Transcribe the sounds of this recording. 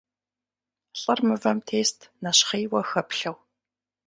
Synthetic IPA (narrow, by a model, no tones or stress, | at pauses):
ɬʼɐrmɨvɐmtʰeːstʰnɐɕχeːwɐxɐpɬɐw